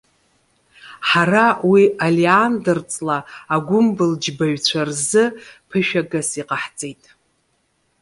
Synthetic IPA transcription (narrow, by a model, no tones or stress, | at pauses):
ħarawialiandɨrt͡sʼlaːɡʷʊmbɨld͡ʒbaɥt͡ɕʷʰarzɨpʰɨʃᶣaɡasiqʼaħt͡sʼejtʼ